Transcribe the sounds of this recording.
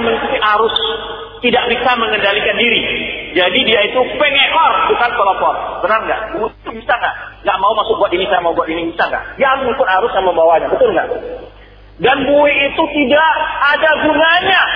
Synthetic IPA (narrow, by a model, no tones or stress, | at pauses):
məŋikut̪iʔaɾʊs | t̪idaʔbisaməŋəndalikandiɾid͡ʒadidiait̪upɛŋɛʔɔrbukanpəlɔpɔt̚b̥ənarŋɡaʔbuɪit̪ubisakahŋɡaʔmaumasʊk̚ɡuat̪inisajamauɡuat̪inibisaka̰daaɾʊsmuŋpʊnhaɾʊsjaŋməmbawaɲabət̪ʊlŋɡa̰ʔ | danbuɪit̪ut̪idaʔːdaɡunaɲa